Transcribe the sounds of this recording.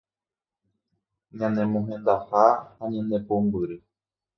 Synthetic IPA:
ɲãnẽmõɦẽnd̪ahahaɲãnẽpombɨɾɨ

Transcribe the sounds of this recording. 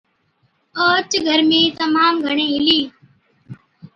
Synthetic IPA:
oːt͡ʃɡʱəɾmẽːt̪əmaːmɡʱəɳ̃ẽːɦɪliː

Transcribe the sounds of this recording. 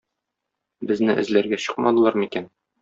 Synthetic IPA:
bɘ̆znɘʔɘ̰̆zlæɾɡæɕɤ̥qmɑd̪ɤ̆lˠɑɾmikæn

